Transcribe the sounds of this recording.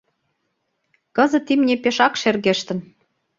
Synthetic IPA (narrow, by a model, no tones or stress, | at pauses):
kɤ̆zə̆t̪ːimnʲepeʃɑkʃerɣeʃt̪ə̆n